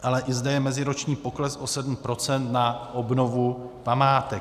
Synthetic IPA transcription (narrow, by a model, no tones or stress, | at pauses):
ʔalɛʔɪzdɛjɛmɛzɪɾo̞t͡ʃɲiːpo̞klɛsʔo̞sɛdm̩pɾo̞t͡sɛnt̪naʔo̞bno̞vu | pamaːt̪ɛ